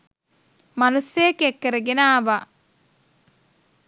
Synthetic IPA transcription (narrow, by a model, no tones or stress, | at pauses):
manusejːkekːəɾəɡenaːʋa